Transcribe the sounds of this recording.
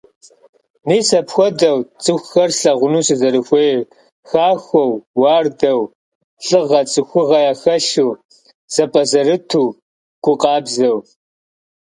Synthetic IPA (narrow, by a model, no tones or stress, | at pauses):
niːsɐpxʷɔdɐwt͡sʼɨxʷxɐrɬɐʁʷʊnuːsɨzɐɾɨxʷeː | xaːxʷɔwːɑːrdɐw | ɬʼɨʁɐt͡sʼɨxʷʊʁɐjaːxɐɬuː | z̥ɐpʼɐzɐɾɨtʰuː | ɡ̥ʷʼʊqʼɑːbzɐw